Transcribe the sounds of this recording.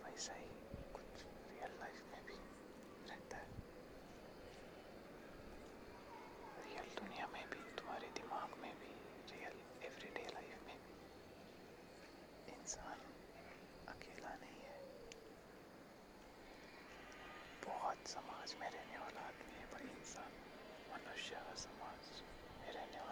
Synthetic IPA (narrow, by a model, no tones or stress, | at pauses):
pɛːsaɦi | kʊt͡ʃʰ | ɾijəlːaɪfmẽbʱi | ɾɛɦt̪aɦɛ | ɾijəld̪ʊnijamẽbʱit̪ʊm̤aːɾed̪ɪmaːɡmẽbʱi | ɾiːəl | eʋɾiɖeːlaːɪfmẽbʱi | ɪnsaːn | ɐkeːlanɐɦĩɦɛː | bɔɦʊt̪sɐmaːd͡ʒmẽɾɐɦneʋaːlaːt̪mẽɦɛbɐɪnsaːn | mɐnʊʃasɐmaːd͡ʒ | mẽɾɐɦneʋaː